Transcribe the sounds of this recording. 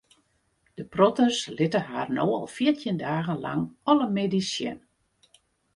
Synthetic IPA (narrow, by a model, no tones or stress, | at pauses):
d̥əprɔtərslɪtəɦaːrnoːɔ̰lˠfiərtʰjəndaːɣənla̰ŋɔləmedisjɛ̰n